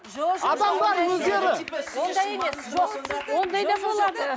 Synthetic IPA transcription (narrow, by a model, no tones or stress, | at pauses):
ɑd̪ɑmʁˠɑɾwɵzɡ̪ʲeɾɪswo̞nd̪ɑje̞me̞sʒo̞qwo̞nd̪ɑjd̪ɑbo̞lˠɑd̪ə